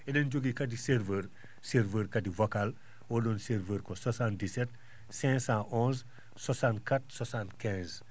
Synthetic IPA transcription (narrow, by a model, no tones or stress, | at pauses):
ɛdɛnd͡ʒoɡikɐdisɛɾvər | seɾvəːɾkɐdivɐkal | ɔːdɔːnseɾvəɾkɔsɔsaːndisɛt̚ | sɛ̃sãʔɔ̃s | sɔsankat̚sɔsaːnkɛ̃z